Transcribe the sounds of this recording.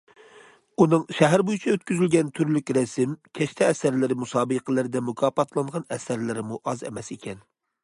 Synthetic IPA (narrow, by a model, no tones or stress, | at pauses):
unɨŋʃɛɦæɾbojut͡ʃʰɑøt̪kʲyzylɡʲɛnt̪ʰyɾlykʲɾɛsɪmkʲʰɛʃt̪ʰɛːsæɾlɪɾɪmusɑːbɨqʰəlˠɪɾɪd̪ɛmukʰɑːpʰɑt̪ʰlˠɑɴʁɑnɛsæɾlɪɾɪmuʔɑzɛ̰mɛsekʲʰɛn